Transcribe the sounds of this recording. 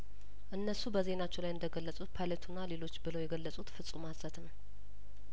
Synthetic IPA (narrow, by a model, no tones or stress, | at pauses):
ʔɨnːəsubəze̞nat͡ʃːɛlajɨnd̪əɡəlːəsʼut̪̚pʰajlet̪ʰunːale̞lo̞t͡ʃːbɨlojɛɡəlːəsʼut̪fɨsʼumasət̪nəw